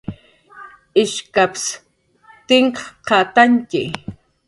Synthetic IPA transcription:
ɪʃkaps | t̪ɪŋkɑqɑt̪aŋkɪ

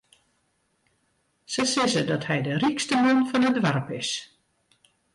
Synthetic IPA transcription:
səsɪzədɔthɛjdərikstəmɔnfɔnədʋarpɪs

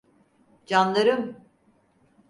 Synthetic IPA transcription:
d͡ʒanlˠaɾɯm

